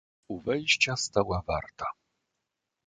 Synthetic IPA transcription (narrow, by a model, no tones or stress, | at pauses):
uvɛjɕt͡ɕast̪awava̰ɾt̪a